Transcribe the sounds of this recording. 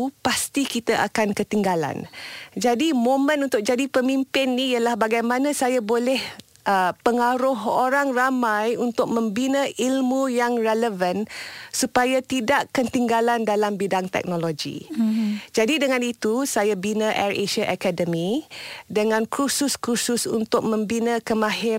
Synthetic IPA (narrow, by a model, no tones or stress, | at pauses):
past̪ikit̪aʔa̰kankət̪iŋɡala̰nd͡ʒadimõmə̃nunt̪ʊk̚d͡ʒadipəmimpɪnːijəlahbaɡajmãnãsajabolɛh | ʔəpəŋaɾʊɦoɾaŋramajunt̪ʊk̚mə̃mbinə̃ʔilmũjaŋrɛləvənsupajat̪idaʔkənt̪iŋɡalandalambidaŋt̪ɛ̰k̚noloɡḭ | d͡ʒadidəŋãnit̪usajabinə̃ʔɛreʃəʔakadəmidəŋãnkɾusʊskɾusʊsṵnt̪ʊk̚mə̃mbinəkəmãɦɪ